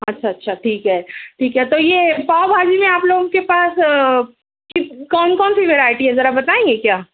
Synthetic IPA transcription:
ɐtːʃʰaɐtːʃʰaʈʰiːkɦɛːʈʰiːkɦɛt̪ojepaːʊbʱaːd͡ʒimẽaːploːɡõkepaːs | kikɔːnkɔːnsiʋeːɾaːɪʈiɦɛzɐɾabɐt̪aːẽːŋɡekjaː

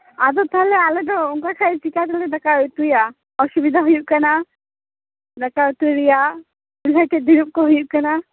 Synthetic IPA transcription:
ad̪ɔt̪ʰɔɦlɛaleɖɔuŋkakʰait͡ʃikat̪alɛdakaut̪uja | ɔsubid̪ʱaɦujuʔ̚kana | nakaut̪uɾija | ulaʈed̪iɾup̚kɔɦujuʔkana

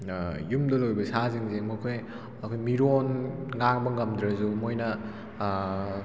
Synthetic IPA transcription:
jumdɐlojbɐsaziŋzemɐkʰoj | ɐkʰojmiɾonŋaŋbɐŋɐmdɾɐzumojnɐ

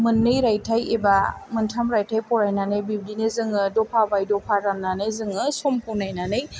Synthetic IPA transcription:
mɯnːɯjɾajtʰajebamɯntʰamɾajtʰajpɔɾajnanɯjbib̚dinezɯŋɯdɔpʰabajdɔpʰaɾamnanɯjzɯŋɯsɔmpʰɔwnajnanɯj

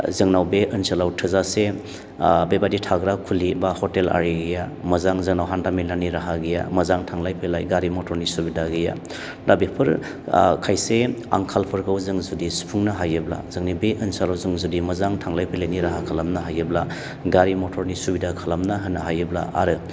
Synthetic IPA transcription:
zɯŋnawbeʔɯnsalawtʰɯzase | bebaditʰaɡɾakʰulibahɔtela̰ɾiɡijamɐzaŋzɯŋnawɦandamilaniɾaɦaɡija̰mɐzaŋtʰaŋlajpʰelajɡaɾimotʰɔɾnisubidaɡɯja̰ | dabipʰɯɾ | kʰajsea̰ŋkʰalpʰɯɾkʰawzɯŋzudisu̥pʰuŋnaɦajɯbla̰zɯŋnibeʔɯnsalawzɯŋzudimɐzaŋtʰaŋlajpʰeleniɾaɦakʰalamnaɦajɯbla | ɡaɾimotʰɔɾnisubidakʰalamnaɦɯnːaɦajɯbla̰a̰ɾɯ

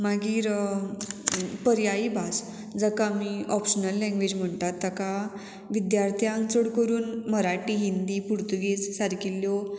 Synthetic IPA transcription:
maɡiːɾ | pəɾjaibʱas | d͡zəkamiɔpɕənəlːɛ̃ŋɡʋed͡ʑm̤əɳt̪at̪ːəka | ʋid̪jaɾt̪ʰijãant͡səɽkəɾuːnməɾaʈiːɦind̪iːpuɾt̪uɡied͡zsaɾkilːjo

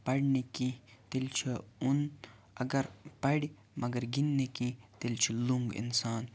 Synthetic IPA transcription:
pɐɽnekit̪elt͡ʃʰiun | ɐɡɐɾpɐɽi | mʔɐɡɐɾɡinːekit̪elt͡ʃʰiluŋɡḭnsaːn

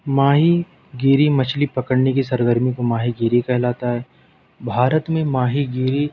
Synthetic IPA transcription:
maːɦi | ɡiːɾimɐt͡ʃʰlipɐkəɽnek̬isɐɾɡəɾmikomaːɦiɡiːɾikɛɦlaːt̪aɦɛː | bʱaːɾət̪mẽmaːɦiɡiːɾi

